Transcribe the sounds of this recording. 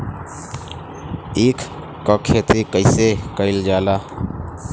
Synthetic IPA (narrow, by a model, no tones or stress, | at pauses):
eːkʰ | kɔkʰet̪ikəɪsekəɪld͡ʒaːlaː